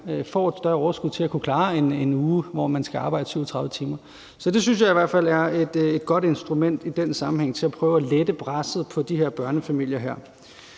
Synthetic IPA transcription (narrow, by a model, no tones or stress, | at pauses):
fɒ̰ːed̥sd̥ɶɐɒʊɐsɡ̥uð̰ˠt͡sʰe̝lækʰukʰlɑ̈ːe̝nenuːʋɒ̰mænsɡ̥æɑ̈ːb̥ɑ̈ɪd̥əsyʊt͡sʰʁɑ̈ðˠʋ̩ˠə̥t͡sʰiːmɐ | sɒ̽d̥e̝syns̬jɑ̈ɪiʋæɐ̰d̥fæl̰æɐe̝d̥e̝d̥ɡ̥ɒ̽d̥e̝nsd̥ʁumen̰d̥id̥ensɑ̈mm̩ɦeŋ̰t͡sʰe̝læpʰʁœːʊæled̥əb̥ʰʁasð̩ˠpʰɒ̽d̥iɦeɐ̰b̥ɶɐnəfæmil̰jɐɦæɐ̰